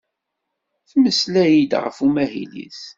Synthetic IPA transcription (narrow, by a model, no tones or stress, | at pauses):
θməslæjid̪ʁə̰fumæɦḭlḭθ